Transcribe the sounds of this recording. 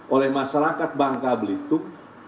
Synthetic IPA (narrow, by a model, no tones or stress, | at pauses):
ʔolɛhmaʃaɾakat̪̚baŋkabəlit̪ʊk̚